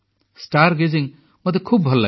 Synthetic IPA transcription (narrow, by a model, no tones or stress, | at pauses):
sʈaɾɡeziŋ | mɔd̪ekʰubʱʌlːa